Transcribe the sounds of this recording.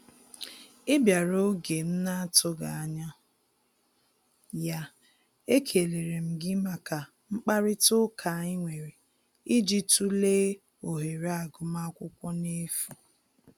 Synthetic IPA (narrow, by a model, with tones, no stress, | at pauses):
ɪ˦bja˨ɾo˦ɡe˨m̩˦na˦tʊ˦ɡa˨a˨ɲa˦ | ja˦ | e˦kʰe˨le˨ɾe˨m̩˨ɡɪ˦ma˨ka˨ | ŋ͡m̩˦k͡pa˦ɾɪ˦tʊ˦kʰa˨ɪ˦ŋʷe˨ɾe˨ | i˦d͡ʒi˦tu˦leː˦ | o˨ɦe˨ɾa˨ɡʊ˨ma˦kʷʊ˦kʷɔ˦ne˦fu˨